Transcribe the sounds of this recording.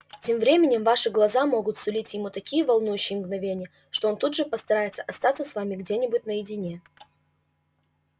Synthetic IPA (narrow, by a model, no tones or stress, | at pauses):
tʲe̞mvɾʲemʲɪnʲɪmvaʂɨɡlˠɐzamo̞ɡʊt̪sʊlʲitʲjɪmut̪ɐkʲijəvɐlˠnujʉɕːɪjəmɡnɐvʲenʲɪjə | ʂt̪oont̪ud̪ʐɨpəst̪ɐɾajɪt̪sə̥ʔɐst̪at̪səsvamʲɪɡdʲenʲɪbʊt̚ʲnəjɪdʲɪnʲe̞